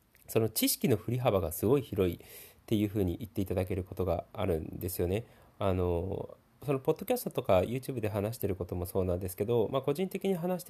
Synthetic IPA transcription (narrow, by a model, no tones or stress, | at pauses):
so̞no̞t͡ɕiɕi̥kʲino̞ɸɯ̟ɾʲiɦabaɡasɨɡo̞içiɾo̞it̪ːe̞jɯ̟ːɸɯ̟ːɲ̟iʔit̪ːe̞it̪ad̪ake̞ɾɯ̟ko̞t̪o̞ɡa̰a̰ɾɯ̟̃nd̪e̞sɨjo̞ne̞ | ano̞ | so̞no̞po̞d̪ːo̞kʲasɨ̥t̪o̞t̪o̞kajɯ̟ːt͡ɕɨːbɯ̟d̪eɦanaɕ̬i̥t̪e̞ɾɯ̟ko̞t̪o̞mo̞so̞ːnãnd̪e̞sɨ̥ke̞d̪o̞mako̞ʑĩnt̪e̞kʲiɲ̟iɦanaɕi̥t̪